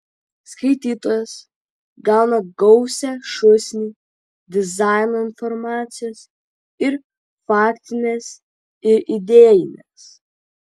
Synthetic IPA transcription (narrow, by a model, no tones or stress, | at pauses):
skɐɪt̪ʲiːt̪oːjɛs | ɡɑˑʊnɐɡɔʊsʲɛʃʊsʲnʲi | d̪ʲɪzɑˑɪnoɪnfɔɾmɑːt̪sʲɪjos | ɪɾ | fɑːkʲt̪ʲɪnʲɛs | ɪɾʔɪd̪ʲeːjɪnʲɛs